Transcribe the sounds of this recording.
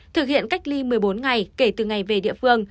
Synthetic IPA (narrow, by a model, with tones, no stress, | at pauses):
t̪ʰɨ˨˩k̚hḭ˧˨ənka˦˥jk̟̚li˧mɨ˨˩əjɓo˨˦nŋa˨˩jke˧˩t̪ɨ˨˩ŋa˨˩jve˨˩ɗḭ˧əfɨ˧əŋ